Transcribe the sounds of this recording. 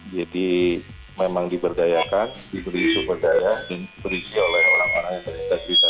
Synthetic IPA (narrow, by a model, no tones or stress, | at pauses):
d͡ʒadi | memaŋdibərɡajakandibəɾisubərɡajadanbəɾid͡ʒiolɛɦoɾaŋanajaŋt̪əritabɾit̪a